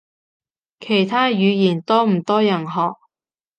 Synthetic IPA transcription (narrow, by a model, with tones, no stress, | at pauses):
kʰe˨˩jt̪ʰaː˥jyː˨˧jiː˨˩nt̪ɔː˥m̩˨˩t̪ɔː˥jɐ˨˩nɦɔː˨k̚